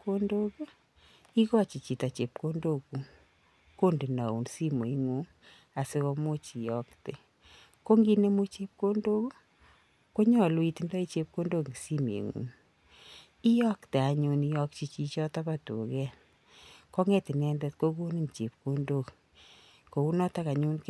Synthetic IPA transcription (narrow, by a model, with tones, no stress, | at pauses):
ko˦ndo˦k | i˦kɔ˦t͡ʃi˨t͡ʃi˨ta˨t͡ʃe˨p̚ko˦ndo˦˨ku˨ | ko˦ndi˨na˨ṵ˨nsi˦mo˨i˦ŋu˦ŋ | a˨se˦kɔ˧mo˦t͡ʃi˨jɔ˦ktḛ˨ | ko˦ŋɡi˦ne˦mu˦t͡ʃe˦p̚ko˦ndo˦ku˦ | ko˦ɲɔ˦˨lwi˦ti˨ndɔ˦i˦t͡ʃe˦p̚ko˦ndo˦ki˨si˦mḛ˨ŋṵ˨˦ŋ | i˦jɔ˦kte˨a˨ɲu˧ni˦jɔ˦kt͡ʃi˦t͡ʃi˦t͡ʃɔ˦ta˦pa˦tṵ˨kɛ˦ | kɔ˦ŋɛ˦ti˨nɛ˦ndɛ˦t̚ko˦ɡo˦ni˦˨nt͡ʃe˨p̚ko˦ndo˦k | ko˨u˦nɔ˦ta˦ka˨ɲu˦nk